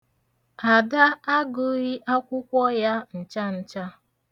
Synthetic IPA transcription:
a˨da˦a˦ɡʊ˨ɾi˦ʔa˦kʷʊ˦kʷɔ˦ja˦n̩˨t͡ʃa˦n̩˦t͡ʃa˦

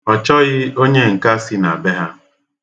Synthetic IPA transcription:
ɔ˨t͡ʃɔ˦ɣɪ˦o˦ɲe˦ŋ̩˨ka˦si˦na˨be˦ɦa˦

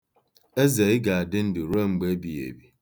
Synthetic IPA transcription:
e˦ze˨ɪ˦ɡa˨a˨dɪ˦n̩˦du˨ɾe˦ŋ͡m̩˨ɡ͡be˦bi˨jḛ˨bi˨

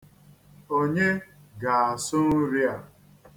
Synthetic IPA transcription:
o˦ɲe˦ɡa˨a˨sʊ˦n̩˦ɾi˦a˨

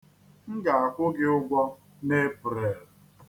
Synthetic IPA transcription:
ŋ̩˦ɡa˨a˨kʷʊ˦ɡɪ˦ʊ˦ɡʷɔ˦ | ne˦pʊ˨ɾe˨ɾ

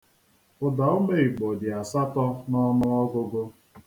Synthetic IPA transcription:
ʊ˨dɔ˨˦o˦me˦i˨k͡po˨dɪ˨a˨sa˦tɔ˦nɔ˦nʊ˦ɔ˦ɡʊ˦ɡo˦

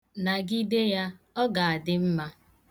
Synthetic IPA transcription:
na˨ɡi˦de˦ja˦ɔ˦ɡa˨a˨dɪ˦m̩˦ma˦

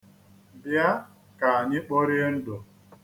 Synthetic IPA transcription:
bja˦ | ka˨a˨ɲɪ˦k͡po˦ɾɪ˦n̩˦do˨

